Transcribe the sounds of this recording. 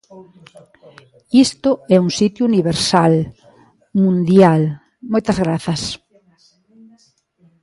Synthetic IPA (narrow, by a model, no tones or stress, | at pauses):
ist̪ʊɛuŋsit̪juuniβeɾsal | mũnd̪jal | mojt̪ɐzɣɾaθɐs